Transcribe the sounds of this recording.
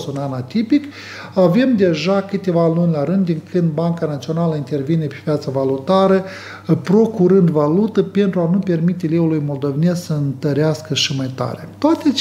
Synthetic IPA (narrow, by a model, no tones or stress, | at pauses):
sunanat̪ipik | ave̞md̪e̞ʒakɨt̪evalunʲlaɾɨnd̪ːiŋkʰɨnd̪̚baŋkanat̪sio̞naləint̪e̞rvine̞pe̞pjat̪savalut̪aɾə | pɾo̞kuɾɨnd̪valut̪əpe̞nt̪ɾuanupe̞rmit̪e̞leulujmo̞ld̪o̞vene̞ssəɨnt̪əɾeaskəʃimajt̪a̰ɾḛt̪oat̪eat͡ʃ